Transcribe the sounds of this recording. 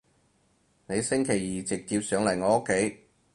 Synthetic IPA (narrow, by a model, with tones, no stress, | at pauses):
ne˨˧jsɪ˥ŋkʰe˨˩jːiː˨t͡sɪ˨k̚tiː˧p̚sœː˨˥ŋlɐ˨˩jŋɔː˨˧o˥kʰːe˨˥j